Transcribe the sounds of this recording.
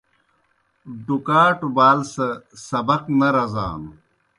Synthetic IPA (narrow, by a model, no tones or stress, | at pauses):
ɖukaːʈubaːlsɐsɐbɐqnɐɾɐza̰ːnu